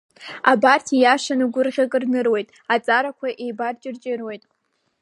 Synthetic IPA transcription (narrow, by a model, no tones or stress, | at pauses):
abartʰijaʂanɨɡʷʊrʁʲakʼɨrnɨrwe̞jtʼat͡sʼaɾakʷʰaʔejbart͡ʃʼɪrt͡ʃʼɪrwo̞jtʼ